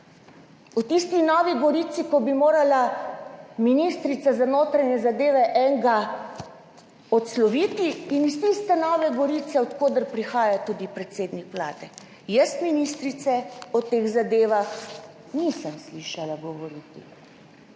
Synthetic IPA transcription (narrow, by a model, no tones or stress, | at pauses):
ɔt̪ist̪inɔːʋiɡɔɾiːt̪sikɔbimoːɾala | minist̪ɾit̪sazanoːt̪ɾanjɛzad̪eːʋɛʔɛŋɡa | ɔt̪slɔʋiːt̪iːnist̪ist̪ɛnɔːʋɛɡɔɾiːt̪sɛɔt̪koːd̪əɾpɾixaːjat̪ud̪ipɾɛt̪seːd̪nikʋlaːd̪ɛ | jəst̪minist̪ɾit̪sɛɔt̪eɣzad̪eːʋax | nisəmsliʃalaɡɔʋɔɾiːt̪ḭ